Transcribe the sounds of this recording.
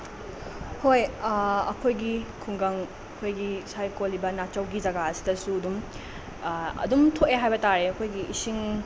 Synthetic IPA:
hojɐ̰kʰojɡikʰuŋɡɐŋ | ɐkʰojɡisajkolːibɐnat͡ʃɐwɡid͡ʒɐɡaɐsi̥dɐsuɐdum | ɐ̰dumtʰoʔeɦajbɐtaɾeɐkʰojɡiʔisiŋ

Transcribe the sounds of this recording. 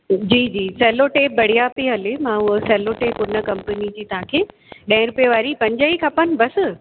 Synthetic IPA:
d͡ʑiːd͡ʑiːsɛːloʈeːp̚bɐɽ̤ijapiɦɐlemãːʊɦsɛːloʈeːpʊnə̆kɐ̃mpənid͡ʑiːt̪ɐɦãkʰeː | ɗɐ̃ɪ̃ɾʊpjeʋaːɾipɐ̃ɲd͡ʑəikʰɐpənɪ̆bɐsɪ

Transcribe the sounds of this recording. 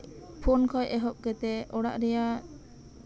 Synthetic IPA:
pʰɔnkʰɔjʔɛɦɔʔ̚kɛt̪ɛɔɽa̰ʔɾɛja

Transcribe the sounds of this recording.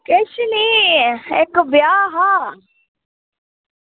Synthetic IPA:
keʃini | ekbjaːɦaː

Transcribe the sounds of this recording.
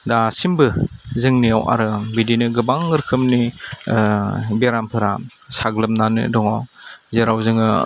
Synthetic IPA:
dasimbɯzɯŋniawa̰ɾɯbidinɯɡɯbaŋːɯɾkʰɯmni | beɾampʰɯɾa̰saɡlɯmnanɯ̰dɔŋaw | zeɾawzɯŋɯ

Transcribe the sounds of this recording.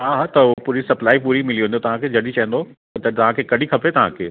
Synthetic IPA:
ɦaːɦaːt̪ɐpuːɾisɐplaːipuːɾimɪliɦũnjot̪ɐʋ̤ãkʰed͡ʑɐɽit͡ɕɐɦə̃nd̪o | t̪ɐt̪ɐʋ̤ãkʰekɐɗ̤ʱikʰɐpet̪ɐʋ̤ã̰kʰḛː

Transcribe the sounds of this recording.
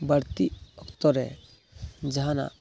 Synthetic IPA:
bəɽt̪iɔkt̪ɔɾɛ̰ | d͡ʒɐɦana̰

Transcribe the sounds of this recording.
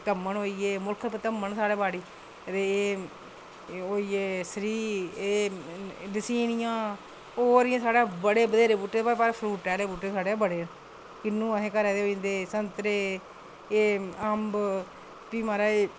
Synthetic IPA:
t̪əmːəɳɦoːiːeːmʊlkʰəpt̪əmːəɳsaːɽeːbaːɽiː | t̪eːeː | oːiːeːsəɾiːeː | dɪsiːnɪjãː | oːɾɪjãːsaːɽeːbəɽeːbəd̪eːɾeːbuːʈːepaːpaːɾepʰɾuːʈɛːɽeːbuːʈːeːsaːɽeːbəɽeː | kɪnːũːəɦẽːkəɾɛːd̪eːoːnd̪eːsənt̪ɾeː | eːəmb | piːmaːɾaːeː

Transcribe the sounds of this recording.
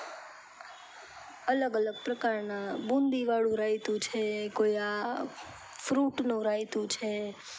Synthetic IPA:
ələɡələɡ̚pɾəkaɾnabũnd̪iʋaɭũɾait̪ũt͡ʃʰekoia | fɾuʈnũɾait̪ũt͡ʃʰe

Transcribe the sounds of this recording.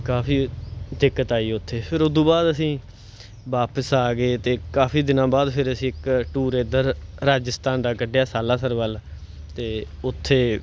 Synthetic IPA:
kaːpiːd̪ɪkːət̪aːiːʊt̪ʰːeːpʰɪɾʊd̪ũːbaːd̪əsĩː | ʋaːpəsaːɡeːt̪eːkaːpiːd̪ɪnãːbaːd̪pʰɪɾəsĩːɪkʈuːɾeːd̪əɾɾaːd͡ʒəst̪aːnd̪aːkəɖejaːsaːlaːsəɾʋəl | t̪eː | ʊt̪ʰːeː

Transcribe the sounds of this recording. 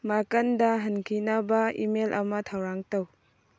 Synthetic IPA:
makɐndɐɦɐnkʰinɐbɐḭmelʔɐmɐtʰawɾaŋtɐw

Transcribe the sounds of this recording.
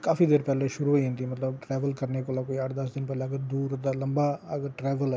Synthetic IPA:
kaːfiːd̪eːɾpɛːleːʃʊɾuːɦoiɦẽnd̪iːmət̪ləbʈɾɛːʋəlkəɾneːkoːlaːkoːiəʈd̪əsd̪ɪnpɛːleːəɡəd̪uːɾd̪aːləmbaːəɡʈɾɛːʋəlɛː

